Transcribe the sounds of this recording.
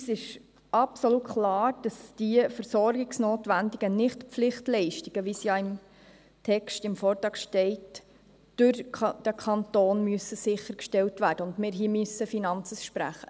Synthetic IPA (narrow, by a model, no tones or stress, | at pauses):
sɪʃ | ʔɑpsoluːtkʰlɑːɾd̥ɑsd̥iəfəɾsɔɾɡɪksnoːtʋændiɡənɪχtpp͡flɪχtlɛɪʃtiɡ̥əʋisjɑɪm | tʰɛkʃtɪmfoːɾtɑːkʃtɛɪt | d̥ʊɾd̥əkʰɑntoːnmyəsəsɪχəɾkʃtɛltʋæːɾd̥əʊndmɪːɾɦiːəmysəfinɑnt͡səsʃpɾæ̰χə